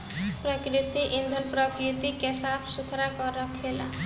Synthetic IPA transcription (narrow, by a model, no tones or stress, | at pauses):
pɾɔkɾit̪iʔind̪ʱəɾpɾɔkɾit̪ikɛsapsut̪ʰɾakɔɾɔkʰela̰